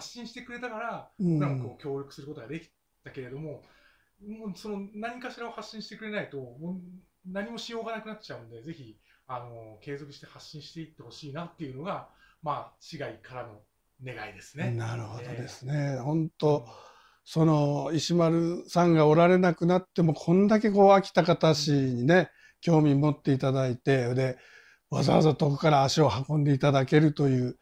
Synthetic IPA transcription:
haɕĩɰ̃ɕi̥t̪e̞kɯ̟ɾe̞t̪akaɾaɾakɯokʲo̞ːɾʲokɯ̟sɨɾɯ̟ko̞t̪oɡad̪e̞kʲi̥ | t̪ake̞ɾe̞d̪o̞mo̞ | oso̞no̞naɲ̟ikaɕiɾahaɕːĩɕi̥t̪e̞kɯ̟ɾe̞nait̪o̞moːnaɲ̟imo̞ɕijo̞ːɡanakɯ̟natt͡ɕaɯ̟̃nd̪e̞d͡ze̞çiano̞ke̞ːzo̞kɯ̟ɕi̥t̪e̞haɕːĩɕi̥t̪e̞it̪ːe̞ho̞ɕiːnat̪ːe̞iɯ̟no̞ɡamaːɕiɡaikaɾano̞ | ne̞ɡaid̪e̞sɨ̥nenaɾɯ̟ho̞d̪o̞d̪e̞sɨ̥ne̞hõ̞nt̪o̞ | so̞no̞iɕimaɾɯ̟sãŋɡao̞ɾaɾe̞nakɯ̟nat̪ːe̞mo̞kʰõ̞nd̪ak̬e̞ko̞ːakʲi̥t̪akat̪aɕiɲine̞ | kʲo̞ːmʲimo̞t̪ːe̞it̪ad̪ait̪e̞d̪e̞ | βaza̰βa̰zat̪o̞ko̥kaɾaːɕio̞hakõ̞nd̪e̞it̪ad̪ake̞ɾɯ̟t̪o̞jɯ̟ː

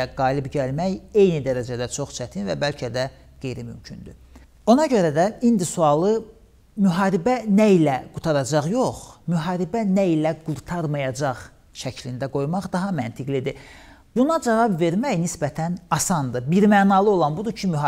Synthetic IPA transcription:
æɡɑːjlibɟælmæje̞jnid̪æɾæd͡ʒæd̪æt͡ʃʰo̞χt͡ʃʰæt̪ʰinvæ̰bælcʰæd̪æ | ɡ̥e̞jɾimy̰mcʰynd̪y | o̞nɑɟø̞ɾæd̪æind̪isuɑlˠɯ | myɦɑːɾibænæilæɡ̥ut̪ʰɑɾɑd͡ʒɑʁjo̞χmyɦɑːɾibænæilæɡ̥uɾt̪ʰɑɾmɑjɑd͡ʒɑʁ | ʃæcʰlind̪æɡo̞jmɑχd̪ɑɦɑmænt̪ʰiɡlid̪i | bunɑd͡ʒɑvɑbve̞ɾmæjnisbæt̪ʰænɑsɑnd̪ɯbiɾmæːnɑlˠɯo̞lˠɑnbud̪ucʰimyɦ

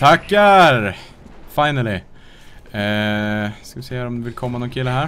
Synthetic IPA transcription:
t̪ʰakːæɾ | faɪnəlɪ | skɑʋɪsɛæːɾɔmd̪ɛʋɪlkʰɔmːanuːnkʰɪlːəhæːɾ

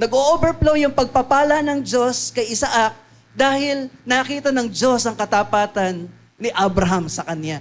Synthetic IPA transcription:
nɐɡoʔobɛɹplowjʊŋpɐɡ̚pɐpaːlɐnɐŋd͡ʒo̞skɐjʔɪsaʔak̚ | d̪aːhɪlnaːkiːt̪ɐnɐŋd͡ʒo̞sɐŋkɐt̪apaːt̪ɐnː | ɪʔabɾɐɦamsɐkɐnja

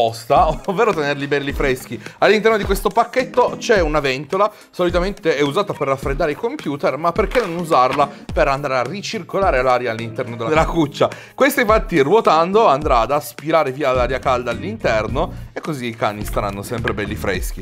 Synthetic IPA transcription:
pɔst̪aovːeːɾot̪enerlibɛlːifɾɛsk̟ialːint̪ɛrnod̪ikwest̪opakːet̪ːot͡ʃɛunavɛnt̪ola | solit̪ament̪eɛuzaːt̪aperːafːɾed̪ːaːɾeikompjuːt̪ermapːerkenːonuzarlapeɾand̪aɾearit͡ʃirkolaːɾelaɾjaːlːint̪ɛrnod̪elːad̪elːakut͡ʃːa | kwest̪aĩɱfat̪ːirwot̪and̪oand̪ɾad̪aspiɾaːɾeviːalaɾjakald̪aːlːint̪ɛrnoekːoziːkanːist̪aɾanːosɛmpɾebɛlːifɾɛ̰sk̟i

